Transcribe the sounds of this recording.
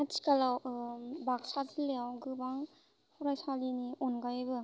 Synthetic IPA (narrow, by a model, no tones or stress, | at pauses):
ati̥kalawbak̚sazɯlːejawɡɯbaŋ | hɔɾajsaliniʔɔnɡajebɯ